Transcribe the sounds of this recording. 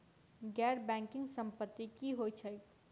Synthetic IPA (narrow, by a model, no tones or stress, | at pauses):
ɡɛɾbɛ̃ŋkɪ̃ŋɡsə̃mpət̪ːikiɦojt͡ʃʰə